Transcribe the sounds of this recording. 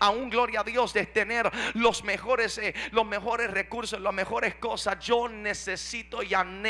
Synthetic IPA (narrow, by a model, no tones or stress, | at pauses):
auŋɡlo̞ɾjaːðjo̞sd̪et̪eneɾlosmexo̞ɾeselo̞zme̞xo̞ɾe̞srekuɾsoslozme̞xo̞ɾesko̞sasd͡ʒo̞ne̞sesit̪o̞jan